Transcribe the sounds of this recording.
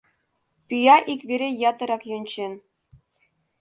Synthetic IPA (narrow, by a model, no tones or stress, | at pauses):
pyjɑʔikβeɾʲejɑt̪ɤ̆ɾɑkjunʲt͡ɕen